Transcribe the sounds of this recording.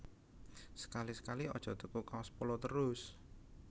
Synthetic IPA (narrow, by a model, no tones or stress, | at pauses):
sə̥kalisə̥kaliɔd̥ʒ̥ɔ̤t̪əkukawɔspolɔt̪əɾʊs